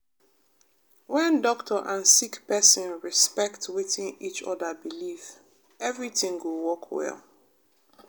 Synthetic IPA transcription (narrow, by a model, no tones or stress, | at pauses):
wɛ̃ndɔktʰəʔãnsikpɛsɔ̃nɹispɛktwiθĩnit͡ʃɔ̰dəbilif | ɛvɹitĩŋwulwɔkʰwɛ̰lˠ